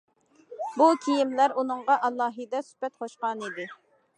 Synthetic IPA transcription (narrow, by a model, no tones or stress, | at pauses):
bukʲʰijimlæɾunɨŋʁɑʔɑlˠːɑːɦɨd̪ɛsy̥pɛt̪χoʃqɑnid̪ɪ